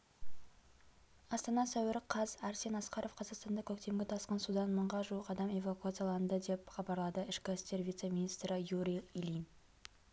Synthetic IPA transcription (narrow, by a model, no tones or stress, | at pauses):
ɑst̪ɑnɑsæwɪɾɪqʰɑzæɾse̞nɑsqɑɾʔo̞fqʰɑzɑqst̪ɑnd̪ɑkʲʰɵk̚t̪e̞mɡʲɪt̪ʰɑsqənsud̪ɑnməɴʁɑʒuəqɑd̪ɑme̞vakuat̪sɨjalˠɑnd̪əd̪e̞pχɑbɑɾlˠɑd̪əɪʃkʲæst̪e̞ɾvijt̪semʲinist̪ɾəjuɾʲiilin